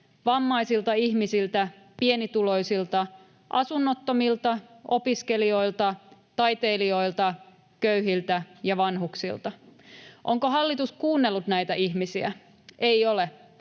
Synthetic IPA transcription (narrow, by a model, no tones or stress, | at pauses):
ʋɑmːɑjsilt̪ɑihmisilt̪æ | pienit̪ulo̞jsilt̪ɑ | ʔɑsunːot̪ːomilt̪ɑʔo̞piske̞lio̞ilt̪ɑt̪ɑjt̪eːlio̞ilt̪ɑ | køyɦilt̪æjɑʋɑnɦuksḭlt̪ɑʔoŋkoɦɑlːit̪uskuːnːelːut̪næjt̪æʔihmisiæ̰ | ʔeiole